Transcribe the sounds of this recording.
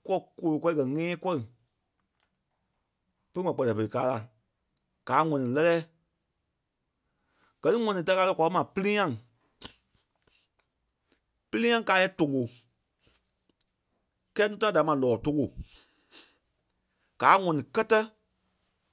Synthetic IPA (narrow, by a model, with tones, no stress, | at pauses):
kɔ˦˨ko˨lo˨kʷɛ˧˦i˦kɜ˨ŋɛ̃ː˦kʷɔ˦ɨ˨ | pə˦ŋɔ̃˨k͡pɜ˨lɛ˨pə˨i˨kaː˦la˨ | ɡ̥aː˨˦ŋɔ̃˨nĩ˨lɛ˧lɛː˦ | ɡ̥ɜ˨nĩ˦ŋɔ̃˨nĩ˨ta˧˦ka˧lə˧kʷa˨˦mã˨pɨ˦li˦ɲã˦˨ŋ | pɨ˦lĩ˦ɲã˦ŋ˦kaː˨˦jɛ˦tõ˨ŋo˨ | kɛː˦nũ˦tã˦ã˦da˨˦mã˨lɔː˨tõ˧ŋo˨ | ɡ̥aː˨˦ŋɔ̃˨nĩ˨kɜ˦tə˦